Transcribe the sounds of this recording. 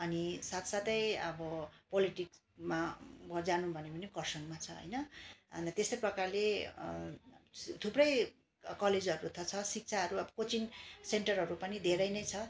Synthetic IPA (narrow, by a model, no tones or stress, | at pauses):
ʌnisat̪ʰsat̪ʌjʌ̰bʌpoliʈiks | mabʌd͡zanubʱʌnepʌnikʌrsʌŋmat͡sʰʌɦʌ̰jnʌʌnt̪est̪ʌjprʌkarle | t̪ʰuprʌj | kʌled͡zʌɾut̪ʰʌt͡sʰʌsik̚t͡sʰaɦʌɾuʌbʌkot͡sinseɳʈʌrɦʌɾupʌnid̪ʱeɾʌjnʌjt͡sʰʌ